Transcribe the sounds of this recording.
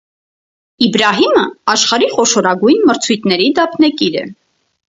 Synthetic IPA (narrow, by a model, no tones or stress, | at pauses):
ibɾɑɦiməɑʃχɑɾiχɔʃɔɾɑɡujnməɾt͡sʰujt̪ʰnɛɾid̪ɑpʰnɛkiɾɛ̰